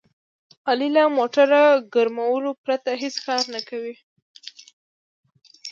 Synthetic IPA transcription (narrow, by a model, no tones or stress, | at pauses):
ɑlilamoʈaɾaɡəɾmawəlopɾat̪aɦeskɑɾnakawi